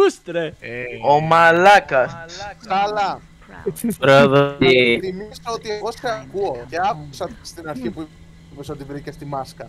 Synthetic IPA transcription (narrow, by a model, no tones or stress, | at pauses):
st̪ɾeomɐlɐkɐskɐlɐ | ɾoðit̪imisɐot̪ieɣo̞sθeɐkuoceɐkusɐst̪inɐɾçipu | pesot̪ivɾicest̪imɐskɐ